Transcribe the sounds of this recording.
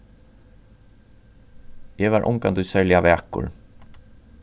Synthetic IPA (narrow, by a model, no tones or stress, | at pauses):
jɛvaːɾʔʊ̰ŋkant̪ujsɛɹljavɛːkʊ̰ɹ